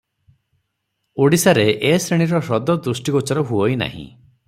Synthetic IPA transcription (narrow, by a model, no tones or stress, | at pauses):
oɽisaɾeʔesɾeɽ̃iɾɔɾɔd̪ɔd̪ɾusʈiɡɔt͡ʃɔɾɔɦuɔjna̰ɦḭ̃